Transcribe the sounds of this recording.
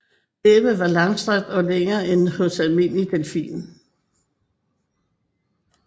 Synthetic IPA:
d̥eb̥əʋɑ̈lɑ̈ŋsd̥ʁaɡ̥̚d̥ɒ̽leŋɐːʔenhɔ̽sælme̝n̰lit͡sʰelfḭːn

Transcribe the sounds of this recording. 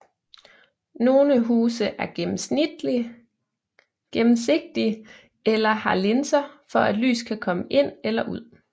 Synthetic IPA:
no̝ːləɦuːsəʔæɐ̥m̩̥ | ɡ̥emm̩se̝ɡ̥̚d̥i | elɐhɑ̈le̝nsɐfɒ̽æd̥ly̰ːskʰækʰɒ̽məʔe̝n̰elɐʔuð̞̰ˠ

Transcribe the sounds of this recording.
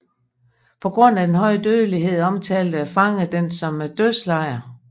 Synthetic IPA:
pʰɒ̽ɡ̥ʁɔ̽n̰æd̥enɦɒ̽ɪ̰əd̥øðˠliɦe̝ð̞̰ˠɒ̽mt͡sʰɛːld̥əæfɑ̈ŋəd̥ensɒ̽md̥øslɑ̈ɪ̰ɐ

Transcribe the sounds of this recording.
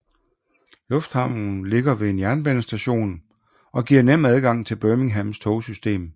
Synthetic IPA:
lɔ̽fd̥hɑ̈ʊ̰n̩le̝ɡ̥ɐʋe̝enjæɐnb̥ɛnəsd̥æɕo̝̰ːn | ɒ̽ɡ̥iɐ̰nem̰æð̞ˠɡ̥ɑ̈ŋ̰t͡sʰe̝lb̥œːmɪ̝ŋɦæmst͡sʰɔʊsysd̥e̝̰ːm

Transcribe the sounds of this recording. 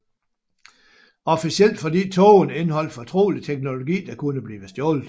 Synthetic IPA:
ɒ̽fisiel̰d̥fɒ̽d̥ḭːt͡sʰɔːne̝nəhɒ̽l̰d̥fɒ̽t͡sʰʁo̝̰ːlit͡sʰeɡ̥no̝lo̝ɡ̥ḭːd̥ɑ̈kʰunəb̥liːʋəsd̥jɔːlð̥ˠ

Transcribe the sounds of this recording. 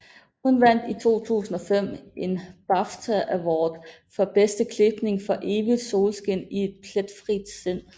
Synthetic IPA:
hunʋæn̰d̥it͡sʰo̝̰ːt͡sʰṵːsn̩ɒ̽fem̰ʔe̝nb̥ɑft͡sʰæʔæʋɒːd̥ | fɒ̽b̥esd̥əkʰle̝b̥ne̝ŋfɒ̽ʔe̝ːʋid̥so̝ːlsɡ̥e̝n̰ie̝d̥̚pʰled̥fʁid̥sen̰

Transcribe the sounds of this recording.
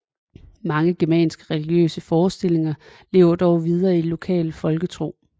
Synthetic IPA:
mɑ̈ŋəɡ̥emɛ̰ːnsɡ̥əʁɛliɡ̥jø̰ːsəfɒːsd̥e̝l̰e̝ŋɐle̝̰ːʊɐd̥ɒʊʋið̞ˠɐːilo̝kʰɛ̰ːlfɒ̽lɡ̥ət͡sʰʁo̝̰ː

